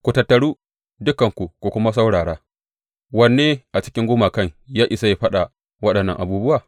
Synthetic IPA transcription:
kʷu˨tɐ˨tːɐ˨ɽuː˦ | dʊ˦kɐ˨ŋkʷu˨kʷu˨kʷʊ˦ma˦s̬a˦wɽaː˨ɽaː˦ | wɐ˦nːeː˦ʔa˨t͡ʃɪ̥˦kʲɪ˦ŋɡʷʊː˦maː˨kɐ˦˨ŋjaː˦ʔɪ˨sa˦ja˦ɸɐ˦ɗa˨ | wɐ˦ɗɐ˨nːɐ˦ŋʔa˨buː˦bʊ˦waː˨

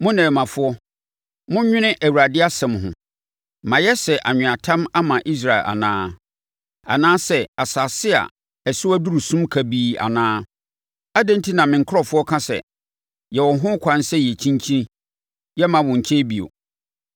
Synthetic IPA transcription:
mʊ̃˦nɛ̃ː˨mã˨fʊ˦ɔ˦ | mʊ̃˦ɲᶣɪ̃˦nɪ̃˦ʔæ˨wu˨a˨dɪ˦a˦sɛ̃˨mɦʊ̰̃˨ | mã˨jɛ˦sɛ˨ʔa˨ɲᶣʊ̃˨a˨tʰã˦ma˦mã˨ʔi˦s̬ɾa˨ɪ˨lʔa̰˨nã̰ː˦ | a̰˨nãː˦sɛ˨a˨saː˨sɪ˦a̰˨ | ɛ˨sʊ˦æ˦du˦ɾu˨sũ˦mkʰa˨biː˦a̰˨nãː˦ | a˦dɛ̃˦n˦tʰi˦nã˨mɪ̃˨ŋ̩˨kʰʊ˦ɾɔ˨fʊ˦ɔ˦kʰã˦sɛ̰˨ | jɛ˨wɔ˨ɦʊ̃˦kʷʰã˦n˦sɛ˦jɛ˨t͡ɕʰĩ˦ɲ˦t͡ɕʰĩ˦ | jɛ˦mã˨wʊ̃˨ɲ̩˨t͡ɕʰe˦bi˨o̰˨

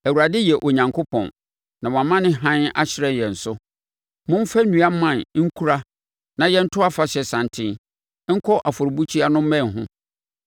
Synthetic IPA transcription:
æ˨wu˨ɾa˨dɪ˦jɛ˨ʔo˨ɲã˨ŋkʰo˦pʰɔ̰̃˨n | nã˨wɔ̃˨a˨mã˦nɪ̃˦ɦã˦na̰˦ɕɪ˦ɾɛ˨jɛ̃˨n̩˨sʊ˦ | mʊ̃˦m˦fa˦nũ˨a˦mã˦˨nŋ̩˦kʰu˦ɾa˦ | nã˨jɛ̃˦n̩˦tʰʊ˦a˦fa˨ɕɛ˨sã˨ntʰɪ̃˦n˦ | ŋ̩˦kʰɔ˦ʔa˨fʊ˨ɾbu˦t͡ɕʰi˦a˦nʊ̃˦m̩˦mɛ̃˦˨n˨ɦʊ̃˦

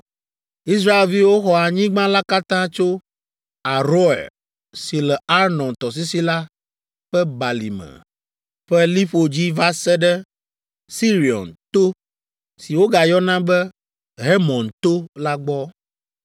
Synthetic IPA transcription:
i˦sɾa˦e˨lvi˦wo˦xɔ˦a˨ɲĩ˦ɡ͡bã˦la˦ka˦t̪ã˦t͡ʃo˦ | a˨ɾo˦ɛ̰˨l | si˨lɛ˨a˦ɾnɔ̃˨nt̪ɔ˨s̬i˦si˦la˦ | ɸɛ˦ba˨lḭ˨mɛ̰̃˨ | ɸɛ˦li˦ɸo˨d͡ʑi˦va˦sɛ˦ɖɛ˦ | si˦ɾi˨ɔ̰˨nt̪o˦ | si˨wo˦ɡa˨jɔ˦nã˦bɛ˦ | ɦɛ˦mɔ̃˨nt̪o˦la˦ɡ͡bɔ˦

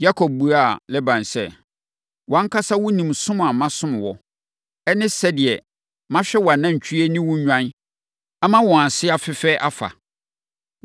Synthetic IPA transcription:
ja˦kʰɔ˨b̚bu˨ɾa˦˨lɛ˦bã˨nsɛ˦ | wɔ̃˨˦ŋ̩˦kʰa˦sa˦wʊ̃˦nĩ˨msʊ̃˦m˨a˨mã˦sʊ̃˦m̃˨wɔ˨ | ɛ˦nɪ̃˦sɛ˦dɪ˨ɛ˨ | mã˦ɕᶣɛ˦wa˨nã˦ɲ̩˨t͡ɕʰᶣu˦ɛ˦nĩ˦wʊ̃˦ɲᶣã˦n | a˦mã˦wɔ̃˨ã˨sɪ˦a˨fɪ˦fɛː˦ʔa˦fa̰˨

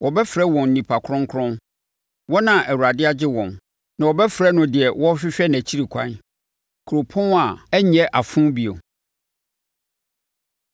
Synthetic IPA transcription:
wʔɔ˨bɛ˦fɾɛ˦wɔ̃˨nː˨nĩ˨pʰa˨kʰɾɔ̃˦ŋ˦kʰɾɔ̃˦n | wɔ˦nã˨ʔæ˨wu˨ɾa˨dɪ˦a˦d͡ʑɪ˦wɔ̃˨n | nã˨wɔ˨bɛ˦fɾɛ˦nʊ̃˨dɪ˨ɛ˨wɔ˦ɕᶣɪ˦ɕᶣɛ˦næ̃˨t͡ɕʰi˦ɾi˨kʷʰã̰˦n | kʰu˨ɾo˨pʰɔ̃˦na˨ɛ˦ɲɛ̃˦ʔa˨fʊ̃˦bi˨o̰˨

